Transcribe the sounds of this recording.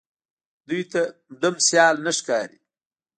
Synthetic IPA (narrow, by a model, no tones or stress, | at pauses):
d̪ujt̪amd̪amsjɑːlnaʂkɑːɾi